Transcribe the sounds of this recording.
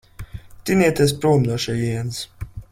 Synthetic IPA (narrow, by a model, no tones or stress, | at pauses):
t̪iniɛt̪ɛs̬pɾuːmnɔʃɛjins